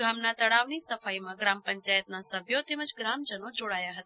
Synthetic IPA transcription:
ɡamnat̪əɽaʋnisəfajmãɡɾampəɲt͡ʃajət̪̚nasəbʱjot̪eməd͡ʒɡɾamd͡ʒənod͡ʒoɽajaɦət̪a

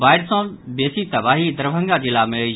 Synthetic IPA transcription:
baːɪɾsã | beːsit̪ɐbaːɦid̪əɾbʱə̃ŋɡad͡ʑiːlaːme

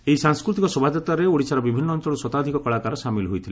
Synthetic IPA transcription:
ejsaŋskɾut̪̬ikɔsɔbʱad͡ʒ̪ɔt̪aɾeoɽit͡ʃaɾɔbibʱinːɔːnt͡ʃɔɭusɔt̪ad̪ʱikɔkɔɭakaɾɔsamilɦojt̪ʰile

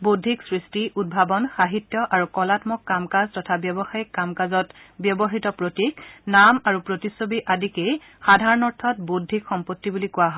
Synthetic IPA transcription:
bodʱiksɹistiʔud̚bʱabɔnxaɦitːjɔʔaɹukɔlatmɔkːamkaztɔtʰabjɔbɔxaikːamkazɔtbjɔbɔɦitɔpɹotiknamaɹupɹotisːobiʔadikej | xadʱaɹɔnɔɹtʰɔt̚bodʱːikxɔmpotːibulikʊwaɦɔ

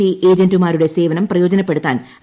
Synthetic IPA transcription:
iʔe̞ːd͡ʑɐndumaːɾuɽe̞se̞ːʋɐnɐmprɐjo̞ːd͡ʑɐnɐpːe̞ɽut̪ːa̰ːn

